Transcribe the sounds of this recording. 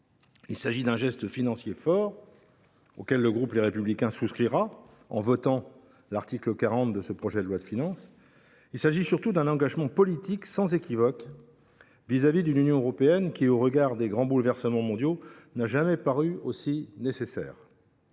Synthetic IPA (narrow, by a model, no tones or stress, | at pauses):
ilsaʒid̪ɛ̃ʒɛst̪əfinɑ̃sjefɔʁ | o̰kʲɛlːəɡʁupleʁepyblikʲɛ̃suskχiʁa | ɑ̰̃vɔt̪ɑ̃ | laʁt̪ikləkaʁɑ̃t̪̚d̪əsəpχɔʒɛd̪əlwad̪əfinɑ̃s | ilsaʒisyʁt̪ud̪ɛ̃nɑ̃ɡaʒmɑ̃pɔlit̪iksɑ̃zekʲivɔk | vizavid̪ynynjɔ̃øʁɔpeɛnkʲioʁəɡaʁd̪eɡʁɑ̃bulvɛʁsəmɑ̃mɔ̃d̪jonaʒamɛpaʁyosinesesɛ̰ːʁ